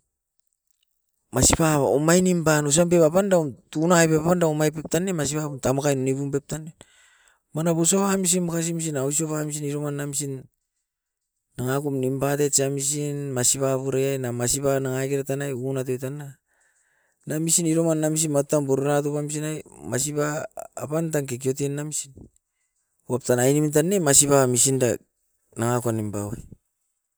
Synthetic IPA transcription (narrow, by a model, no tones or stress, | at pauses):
masipao̰majnimbanos̬ampe̞papandauntunajpeapandaomajpe̞p̚tanːemas̬ipaβuntamakajnonibumpe̞p̚tane | manabusoβamis̬inmakas̬imis̬inaws̬ioβamis̬iniɾo̞manːamisin | aŋakumnimbatet͡ʃiamisinmasiβaβuɾejajnamasiβanaŋaɡeɾatanajunat̬ojtana | namisiniɾomanːamis̬inmap̚tanbuɾuɾat̬upamis̬inajmas̬iβaːpantaŋk̬ek̬io̞tenːamisin | uap̚tanajnimint̬anːemasiβamisinda | naŋakuanimbawa̰j